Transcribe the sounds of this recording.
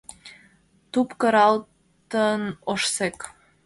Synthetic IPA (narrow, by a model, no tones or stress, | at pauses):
t̪upkəɾɑl | t̪ənoʃsek